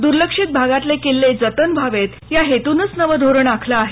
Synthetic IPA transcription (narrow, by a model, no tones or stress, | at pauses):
d̪uɾləkʂit̪̚bʱaɡat̪lekilːed͡zət̪ənbʱaʋet̪jaɦet̪unət͡snəʋəd̪ʱoɾəɳakʰlaːɦe